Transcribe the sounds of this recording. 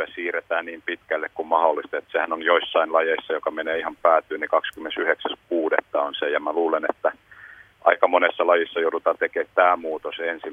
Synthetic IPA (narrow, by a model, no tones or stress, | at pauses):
æsiːret̪æːnniːmpit̪kælːekkummɑholːˑist̪et̪sehænonjoisːɑinlɑjeisːɑjokɑmeneːihɑmpæːt̪ˑyːnikɑkskymːensyheksæskuːdet̪ːɑonsejɑmæluːlenet̪ːæ | ʔɑ̰ikɑmonesːɑlɑjisːɑjoudut̪ɑːt̪ekeːt̪t̪æːmuːt̪osensi